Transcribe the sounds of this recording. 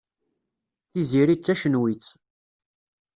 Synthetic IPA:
θiziɾit͡sːæʃənwit͡sː

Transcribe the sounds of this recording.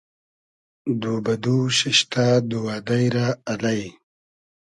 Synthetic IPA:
d̪uːbɐd̪uɕiɕt̪aːd̪uwaːd̪ajɾaːlaj

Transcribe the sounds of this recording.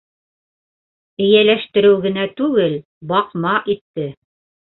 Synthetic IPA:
ɘ̆jælæʃt̪ɘ̆ɾɘwɡɘ̆næt̪ʉɡɘl | bɑqmɑʔit̪ːɘ

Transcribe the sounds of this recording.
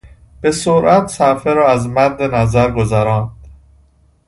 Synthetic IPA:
b̥e̞soɾʔæt̪sæfeɾɒːæzmæɾd̪enæzæɾɡozæɾɒːnd̪̥

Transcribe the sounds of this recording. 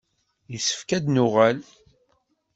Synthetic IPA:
jisə̥fkæd̪nʊʁæl

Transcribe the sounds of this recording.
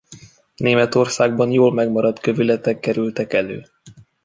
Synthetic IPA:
neːmɛt̪o̞rsaːɡ̚bɒnjoːlmɛɡmɒɾɒt̪køvylɛt̪ɛkːɛɾylt̪ɛkɛløː

